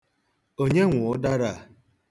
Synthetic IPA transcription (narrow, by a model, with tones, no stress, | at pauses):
o˦ɲe˦ŋʷʊ˨ʊ˦da˦ɾa˦˨